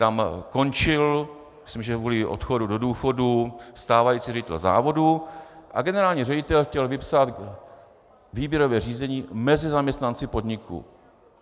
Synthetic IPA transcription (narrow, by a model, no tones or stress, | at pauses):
t̪amko̞nt͡ʃɪl | mɪslimʒɛvuːlɪʔo̰t̪xo̞dudo̞duːxo̞dust̪aːvajit͡siːrɛɟɪt̪ɛ̰lza̰ːvo̞duʔa̰ɡɛnɛɾaːlɲiːrɛɟɪt̪ɛlxcɛlvɪpsat̪ | viːbjɛɾo̞vɛːriːzɛɲiːmɛzɪzamɲɛst̪nant͡sɪpo̞d̪ɲɪkṵ